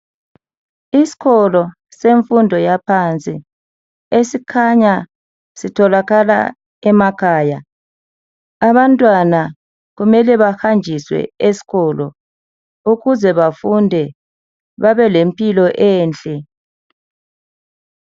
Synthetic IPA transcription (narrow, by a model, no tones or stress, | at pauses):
isi̥ɣʰɔlɔ | seɱfundʱɔjapʰant͡sʼi | esikʰaɲa | sitʰɔlaɣala̰ | ɛmakʰaːja | aβantʼwana | ɣumɛlɛβaxand͡ʒʱiswɛ̰esi̥ɣɔlɔ̰ | uɣuzɛβafundʱɛ | βaβɛlempʼilɔʔɛːnt͡ɬʼɛ